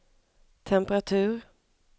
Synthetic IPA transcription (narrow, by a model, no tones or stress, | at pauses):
t̪ʰɛmpəɾat̪ʰʉ̟ːɾ